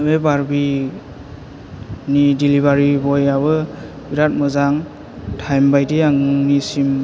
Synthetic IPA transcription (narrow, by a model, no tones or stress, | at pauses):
bebaɾbi | nidilibaɾibɔjabɯ | biɾat̚mɔzaŋ | tʰajmbajdiaŋnisim